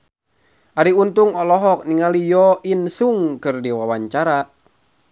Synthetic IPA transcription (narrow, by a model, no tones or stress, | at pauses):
ʔaɾiunt̪uŋɔlɔɦɔk̚niŋalijɔʔinsuŋkɨrdiwawaɲt͡ʃaɾa